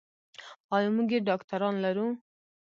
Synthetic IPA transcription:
ɑːjumuɡeɖɑːkt̪ʰaɾɑːnlɛɾu

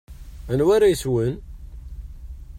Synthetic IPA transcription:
ənwæɾajəswən

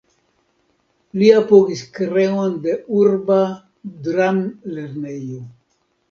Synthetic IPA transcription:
liapoɡiskɾeond̪euɾba | d̪ɾamleɾnejo

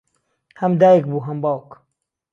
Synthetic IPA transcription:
hɐmd̪aːjek̚buːɦɐmbaːwk

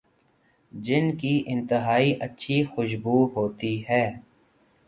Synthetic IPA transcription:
d͡ʒɪnkiʔɪ̃nt̪əɦaːiʔɐtːʃʰixʊʃbuːɦoːt̪iɦɛː

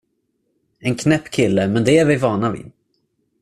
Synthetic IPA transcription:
ɛnkʰnɛpːkʰɪlːəmɛnd̪ɛæɾvɪvɑːnavɪ̰

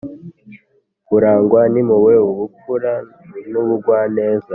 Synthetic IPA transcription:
kuɾaːŋɡwanimuweuβukuɾa | nuβuɡwaːne̞ːza

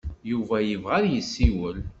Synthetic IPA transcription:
juvæjəvʁaɾjəsːiwəl

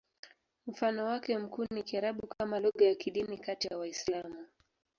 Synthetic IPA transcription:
m̩fanɔwakɛm̩kuːnikiaɾaɓukʰamalɔɠɔjakiɗinikatijawaislamu

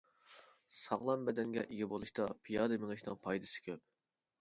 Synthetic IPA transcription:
sɑʁlˠɑmbɛd̪ɛŋɡʲɛ̰ʔiɡʲɛbolˠuʃt̪ɑpʰijɑːd̪ɨmɪŋɪʃnɨŋpʰɑjd̪ɨsɪ̥kʲʰøp̚

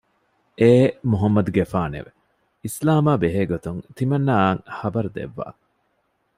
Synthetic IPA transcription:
ʔeːmuɦɐmːɐd̪uɡefaːnḛʋe | islaːmaːbeɦeːɡot̪uŋt̪imɐnːaːŋhɐbɐɾud̪ḛʋːa̰ː

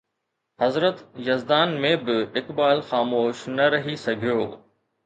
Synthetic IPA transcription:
ɦɐzɾət̪jɐzd̪aːnmẽbɪɪkbaːlxaːmoːʃnɐɾɐɦisɐɡʱijoː

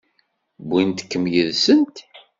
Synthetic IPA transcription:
bint̪kːəmjəðsənt̪

